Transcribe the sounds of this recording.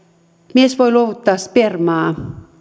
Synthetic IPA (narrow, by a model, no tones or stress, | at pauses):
miesʋojloʋut̪ːɑːspermɑː